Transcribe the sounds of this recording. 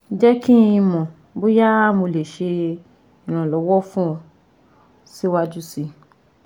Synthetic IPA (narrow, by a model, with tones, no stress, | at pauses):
d͡ʒɛ˦ki˦ĩ˧mɔ̃˨ | bo˦ja˦mo˧le˨ʃe˧ | i˨ɾ̃ã˨lɔ˨˦wɔ˦fũ˦ɔ˧˨ | si˦wa˧d͡ʒu˦si˧